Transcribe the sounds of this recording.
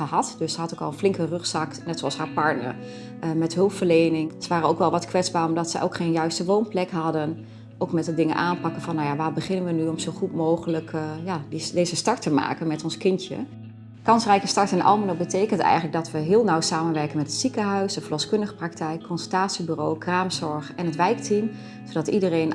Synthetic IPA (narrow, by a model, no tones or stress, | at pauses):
əɦɑtdɵssəɦɑtokɑlˠənflɪŋkərɵχsɑknɛtsoɑlˠsɦaːɹpɑɹtnə̰ɹ | mɛtɦɵlˠpfəɹlejnɪŋsəʋaːrənowkʋɛlˠʋɑtkʋɛtzbaːrɔmdɑtsəʔo̰wkχenjœɥstəʋownplɛkɦɑdən | ʔowkmɛtədɪŋənʔaːnpɑkənvɑnːawjaʋaːɹbəχɪnənʋənyɔmzowχutmowχələkjaːdidejzəstɑɹtəma̰ːkənmɛtɔnskɪntjə̰ | kɑnsrɛjkəstɑɹtɛnʔɑ̰lˠmənobətejkəntɛ̰jələɡ̚dɑtʋəɦɪːlˠnawsaːmənʋɛɹkənmɛtətsikəɦœɥsəfəlɔskɵndəχə̥prɑktɛjkʰːɔnsəlˠtaːtsibyrowkraːmzɔɹχɛnətʋɛjktim | sodɑtidərejn